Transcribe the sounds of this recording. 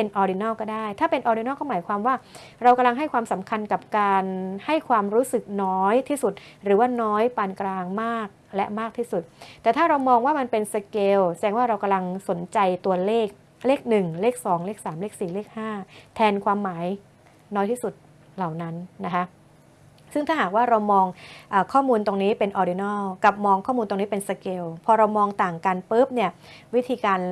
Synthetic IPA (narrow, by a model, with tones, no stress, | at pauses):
pe˧nʔɔː˧ɾi˧nɔː˥˩kɔː˥˩daː˥˩jt̪ʰaː˥˩pe˧nʔɔː˧ɾi˧nɔː˥˩kɔː˥˩maː˨˩˦jkʰwaː˧mwaː˥˩ | ɾa˧wka˧mla˧ŋɦa˥˩jkʰwaː˧msa˩˦mkʰa˧nka˨˩p̚kaː˧nha˥˩jkʰwaː˧mɾuː˦˥sɯ˨˩k̚nɔː˦˥jt̪ʰiː˥˩su˨˩t̪̚ɾɯː˩˦waː˥˩nɔː˦˥jpaː˧nklaː˧ŋmaː˥˩k̚lɛ˦˥ʔmaː˥˩k̚t̪ʰiː˥˩su˨˩t̪̚t̪ɛː˨˩t̪ʰaː˥˩ɾa˧wmɔː˧ŋwaː˥˩ma˧npe˧nsa˧keː˧wt͡ɕa˧dɛː˧ŋwaː˥˩ɾa˧wka˧mla˧ŋso˩˦nt͡ɕa˧jt̪u˧ɐleː˥˩k̚ | leː˥˩k̚nɯ˨˩ŋleː˥˩k̚sɔː˩˦ŋleː˥˩k̚saː˩˦mleː˥˩k̚siː˨˩leː˥˩k̚haː˥˩t̪ʰɛː˧nkʰwaː˧mːaː˩˦j | nɔː˦˥jt̪ʰiː˥˩su˨˩t̪̚ | la˨˩wna˦˥nːa˦˥kʰa˦˥ | sɯ˥˩ŋt̪ʰaː˥˩ɦaː˨˩k̚waː˥˩ɾa˧wmɔː˧ŋʔaː˨˩kʰɔː˥˩muː˧nt̪o˧ŋniː˦˥pe˧nʔɔː˧di˧nɔː˥˩ka˨˩p̚mɔː˧ŋkʰɔː˥˩muː˧nt̪o˧niː˦˥pe˧nsa˧keː˧wpʰɔː˧ɾa˧wmɔː˧ŋt̪aː˨˩ŋkaː˧npɤː˦˥p̚ni˥˩ɐwi˦˥t̪ʰiː˧kaː˧n